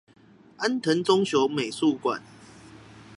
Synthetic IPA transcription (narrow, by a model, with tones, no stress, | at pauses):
a˦nt̪ʰə˨˦nt͡sɔ˦ŋɕjo˨˦ʊme˨˩ɪsu˥˨kwa̰˨˩˦n